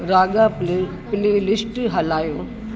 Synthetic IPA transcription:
ɾaːɠa | pɪlelɪsʈɦɐlaːjoː

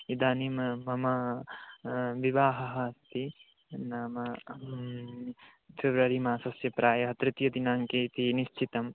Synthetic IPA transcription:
id̪aːnimmɐmɐ | ʋiʋaːɦɐɦɐst̪i | naːmɐ | fʰeʋɾɐɾimaːsɐsjɐpɾaːjɐɦɐt̪ɾɪt̪jɐd̪inaːŋkeːt̪iniʃt͡ʃʰit̪ɐm

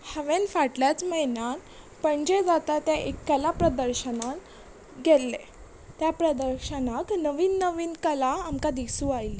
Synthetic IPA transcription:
həʋẽnfaʈljat͡sməɦjnan | pəɳd͡ʑed͡zat̪at̪jaʔekːəlapɾəd̪əɾɕənan | ɡelːe | t̪japɾəd̪əɾɕənaknəʋiːnːəʋiːnkəlaamkad̪isuajl

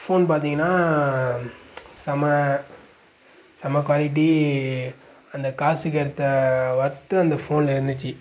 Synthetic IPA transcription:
foːnpaːɾt̪iŋɡɐnːaː | sɐmɐ | sɐmɐk̬ʋaːlɪʈ̬ːi | ɐnd̪ɐkaːsɯkɐɾɐt̪ːɐʋɐɾɯt̪ːɯɐnd̪ɐfoːnlɪɾɯnd̪ɯt͡ʃːɯ

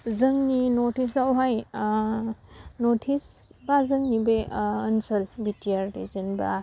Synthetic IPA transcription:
zəŋninotʰisawɦaj | notʰisbazəŋnibeənsɐlbitijaɾdḭzinba̰

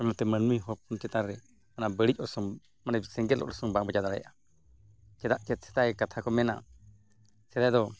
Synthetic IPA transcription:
ɔmɛt̪ɛmənmiɦɔpunt͡ʃɛt̪aɾːɛ | anabəɽic̚ʔɔsɔŋ | manabsɛŋɡɛlɔ̰ʔlɔsɔŋbaʔbəd͡ʒad̪aɽa̰jʔa | t͡ʃɛd̪aʔt͡ʃɛt̪̚sɛ̥t̪aɛkat̪ʰakɔmɛna̰ | sɛd̪ajd̪ɔ

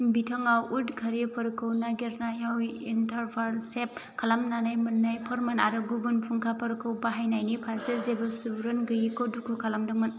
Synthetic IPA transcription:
bitʰɔŋawudkʰɐɾipʰɐɾkʰɯwnaɡiɾnajawintɐɾpʰaɾsep̚kʰalamnanajmɯnːajpʰɔɾmanaɾɯɡubunpʰuŋkʰapʰɐɾkʰɯwbaɦajnajnipʰasezebɐsubɾɯnɡɯjikodukʰukʰalamdɯman

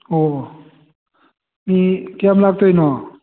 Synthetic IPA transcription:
ɔ | mikɛamlak̚t̪ʰojnɔ

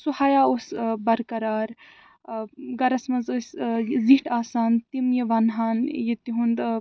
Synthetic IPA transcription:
suhaːjaːosbɐɾkɐɾaːɾ | ɡɐɾɐsmɐnzosziʈaːsaːnt̪imjiʋɐnɦaːnjit̪iɦund̪

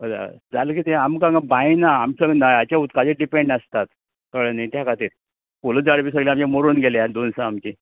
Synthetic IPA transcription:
əd̪a̰d͡zaləkit̪ẽamkãŋɡabãinaːmsəɡnajat͡ɕaut̪kad͡ʑeɖipeɳɖəst̪at̪ | kəɭenait̪jakat̪iːɾ | poləd͡zaɽpisəɡleamt͡ɕãmoɾuːnɡʱeljad̪onsaːmt͡ɕi

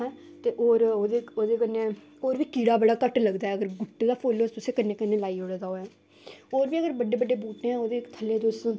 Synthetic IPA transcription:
ɦɛ̃ː | t̪eːʔoːɾoːd̪eːoːd̪eːkəne | oːɾʋiːkiːɽaːbəɽaːkəʈləɡd̪aːɛːəɡəɾɡʊʈd̪aːpʰoːlost̪ʊsẽːkənːeːkənːeːlaːiːoɽd̪aːoːjaː | oːɾʋiːəɡəɾbəɖːeːbəɖeːbuːʈnẽːɛ̃ːoːd̪eːt̪ʰəlːeːd̪ʊs

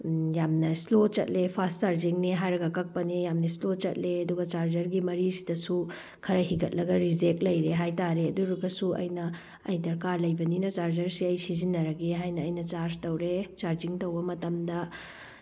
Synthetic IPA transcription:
jamnɐslot͡ʃɐ̰t̚lepʰast̚t͡ʃaɾd͡ʒiŋneɦajɾɐɡɐkɐk̚pɐnejamnɐislot͡ʃɐt̚leɐduɡɐt͡ʃaɾd͡ʒɐɾɡimɐɾisi̥dɐsu | kʰɐɾɐɦiɡɐt̚lɐɡɐɾizek̚lɐjɾeɦajtaɾeɐduɾuɡɐsuʔɐ̰jnɐ | ɐ̰jdɐɾkaɾlɐjbɐninɐt͡ʃaɾd͡ʒɐɾsiɐjsizinːɐɾɐɡeɦajnɐːjnɐt͡ʃaɾztɐwɾet͡ʃaɾd͡ʒiŋtɐwbɐmɐtɐmdɐ

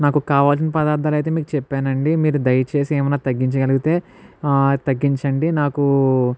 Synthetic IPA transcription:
naːkukaːʋaːlsinipɐd̪aːɾd̪ʰʱaːlɐjt̪eːmiːkut͡ʃɛpːaːnɐɳɖimiːɾud̪ɐjɐt͡ʃe̞ːsieːmɐnaːt̪ɐɡːiɲt͡ʃɐɡɐluɡit̪e̞ː | t̪ɐɡːiɲt͡ʃɐɳɖinaːku

